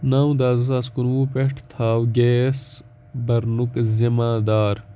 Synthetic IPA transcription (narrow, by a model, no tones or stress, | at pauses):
naːw̃d̪aːzɐsaːskunwuːpeʈʰt̪ʰaːwɡeːs | bɐɾnukzimaːd̪aːɾ